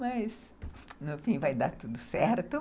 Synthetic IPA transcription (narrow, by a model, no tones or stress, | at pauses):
mɐz | nʊfĩvajd̪aɾt̪ud̪ʊsɛɾt̪ʊ